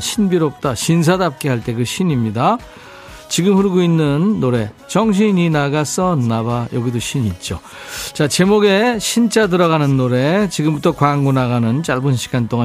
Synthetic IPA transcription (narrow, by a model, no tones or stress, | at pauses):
ɕʰinbiɾop̚t͈aɕins̬ʰadap̚k͈eɦaɭt͈e̞ɡɯɕʰiɲimɲida | t͡ɕiɡɯmhɯɭɡoinːɯnːoɾe̞ | t͡ɕʌŋɕ̬ʰiɲinaɡas͈ʌnnabajʌɡidoɕʰiɲit̚t͡ɕ͈o | t͡ɕat͡ɕe̞moɡe̞ɕʰint͡ɕ͈ʰadɯɾʌɣanɯnːoɾe̞t͡ɕiɡɯmbutʰʌkwaŋɡonaɣanɯnt͡ɕaɭbɯnɕʰi̥ɡ̥ant͈oŋa